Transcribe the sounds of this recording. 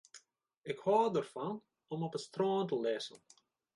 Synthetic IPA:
ɪkhɑːdərfɑn | ɔmɔpəstrɔːntəlɛsə̰n

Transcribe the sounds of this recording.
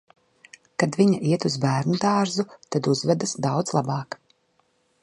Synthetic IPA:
kad̪viɲaʔiɛt̪uzbæːɾnud̪ɑːɾzut̪ad̪uzvɛd̪asd̪awd̪zlˠabɑːk

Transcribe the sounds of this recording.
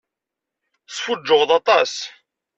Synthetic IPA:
sˤfʊd͡ʒːʊʁðɑt̪ˤɑs

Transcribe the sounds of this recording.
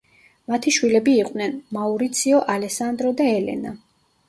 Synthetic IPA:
mat̪ʰiʃwilɛbiːqʼnɛnmauɾit̪sʰiɔʔalɛsand̪ɾɔd̪aɛlɛ̰na̰

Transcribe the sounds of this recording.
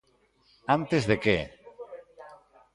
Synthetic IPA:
ant̪ezðeke

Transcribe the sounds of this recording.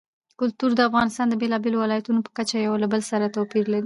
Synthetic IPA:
kʊlt̪uɾd̪əafɣɑnɪst̪ɑnd̪əbelɑbelowɪlɑjat̪unopə̥kat͡ʃajawlabəlsaɾat̪awpiɾlaɾi

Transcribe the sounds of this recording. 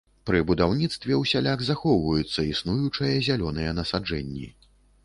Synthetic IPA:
pɾɨbud̪awnʲit̪st̪vʲɛwsʲalʲaɣzaxɔwvɐjut̪sːɐisnujut͡ʂɐjɐzʲalʲɔnɨjɛnɐsad͡ʐɛnʲːḭ

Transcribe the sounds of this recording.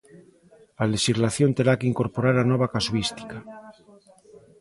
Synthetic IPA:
aleʃizlaθjo̞nt̪eɾakeiŋko̞ɾpoɾaɾanoβ̞akasuist̪i̥ka

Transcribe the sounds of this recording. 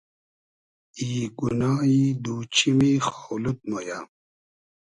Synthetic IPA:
iːɡunaːid̪uːt͡ɕʰimixawlut̪̚moja

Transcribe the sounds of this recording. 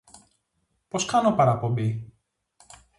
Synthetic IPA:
po̞skɐnopɐɾɐpo̞bi

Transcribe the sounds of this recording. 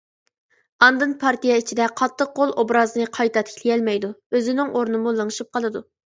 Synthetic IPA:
ɑnd̪ɨnpʰɑɾt̪ijɛit͡ʃʰid̪ɛqʰɑt̪ʰːəq̚qolˠobɾɑzɨnɨqʰɑjt̪ʰɑt̪ʰkʲʰlijɛlmɛjd̪uøzɪnɪŋʔoɾnɨmulˠɨŋʃip̚qɑlˠɨd̪u

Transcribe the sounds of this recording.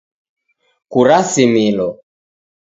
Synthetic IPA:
kuɾasimilɔ

